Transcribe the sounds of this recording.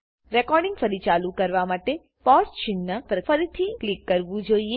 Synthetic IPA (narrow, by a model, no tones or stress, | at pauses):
ɾekɔɾɖɪŋɡfəɾit͡ʃalũkəɾʋamaʈe | pɔɾst͡ʃɪnːapɾəfəɾit̪ʰiklikːəɾʋũd͡ʒoie